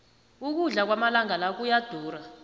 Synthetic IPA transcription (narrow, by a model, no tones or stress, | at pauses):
uk̬uɮak̬wamalaŋalak̬ujad̥ʱuːra